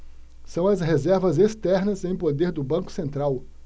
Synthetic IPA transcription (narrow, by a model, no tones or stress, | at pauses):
sɐ̃w̃ɐsɦezɛɾvɐzest̪ɛɾnɐzẽj̃pod̪eɾd̪ʊbɐ̃kʊ̥sẽnt̪ɾaw